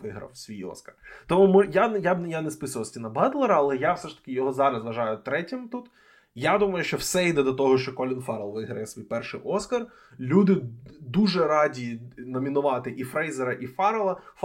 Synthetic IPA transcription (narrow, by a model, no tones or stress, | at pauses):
ʋɪɦɾɐ̰wsʋʲijɔ̰skɐrt̪ɔmumʊjajab̪janɛspɪsʊʋɐsʲtʲinɐbɑd̪lˠeɾɐɐlˠɛjawsɛʃt̪ɐ̥kʲɪjɔɦɔzɑɾɐsʋɐʒɑjʊt̪ɾɛtʲɪmt̪ut̪ | jad̪umɐjʊʃt͡ʃɔwsɛid̪ɛd̪ɔt̪ɔɦɔʃt͡ʃɔkɔlʲɪnfɑɾɐlˠʋɪɦɾɐjɛsʋʲijpɛrʃɪjʔɔskɐr | lʲud̪ɪd̪uʒɛɾɑdʲinɔmʲin̪ʊʋɑt̪ɪʔifɾɛjzeɾɐʔifɑɾɐlˠɐf